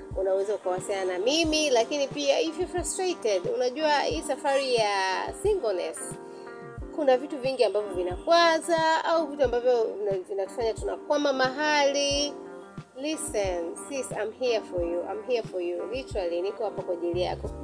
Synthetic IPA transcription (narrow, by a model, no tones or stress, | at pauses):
unawɛzaukawasianamimilakinipiaivjɔfɾastɾetɛdunaʄuahḭːsafaɾijasiŋɡɔnɛ̰s | kunavituviŋɡiambavjɔvinakwazaauvituambavjɔnavinaku̥faɲatuna̰kwamamaɦali | lisɛnsisam̩hiafɔjuʔa̰m̩ɦiafɔjulitɛɾalinikɔhapakwaʄilija̰kɔ